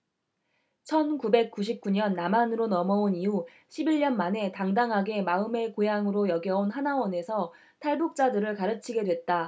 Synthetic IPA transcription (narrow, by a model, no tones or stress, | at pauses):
t͡ɕʰʌnkube̞k̚k͈uɕ̬ʰip̚k͈uɲʌnːamanɯɾonʌmʌoniu | ɕʰibiɭɲʌnmane̞taŋdaŋɦaɡe̞maɯme̞kojaŋɯɾojʌɡjʌonɦanawʌne̞sʰʌ | tʰaɭbuk̚t͡ɕ͈adɯɾɯɭkaɾɯt͡ɕʰiɡe̞dwe̞t̚t͈a